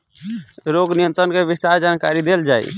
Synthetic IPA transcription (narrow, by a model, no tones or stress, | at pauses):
ɾoɡnijənt̪ɾənkebist̪aɾd͡ʒankaɾid̪eld͡ʒaːḭ